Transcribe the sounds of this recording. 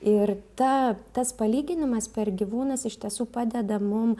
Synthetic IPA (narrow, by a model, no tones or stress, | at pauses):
ɪrt̪ɐt̪ɐspɐlʲiːɡʲɪnʲɪmɐspʲɛrɡʲiʋuːnɐsɪʃʲt̪ʲiɛsuːpɑːd̪ʲɛd̪ɐmʊm